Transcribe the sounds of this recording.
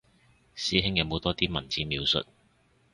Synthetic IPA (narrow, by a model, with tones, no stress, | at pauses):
siː˨˥ɦɪ˥ŋjɐ˨˧wmo˨˧t̪ɔː˥t̪iː˥mɐ˨˩nt͡siː˨miː˨˧wsɵ̰˨t̚